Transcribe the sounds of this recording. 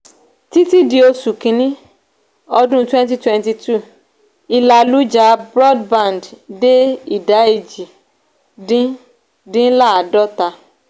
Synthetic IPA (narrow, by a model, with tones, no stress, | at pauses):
ti˦ti˦di˧o˧su˨kĩ˧˦nĩ˦ | ɔ˧dũ˦twɛ̃˦nt̬i˦twɛ̃˧nti˧tu˦˨ | i˧la˧lu˨˦d͡ʒa˧˦bɾɔ˦dbã˨ndde˦i˨da˨˦e˦˨d͡ʒi˨ | dĩ˦ | dĩ˦la˦˨a˨dɔ˦ta˧